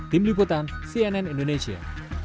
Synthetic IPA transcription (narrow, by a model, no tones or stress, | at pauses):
d̪̥imlipot̪ansiɛnɛnĩndoneʃia̰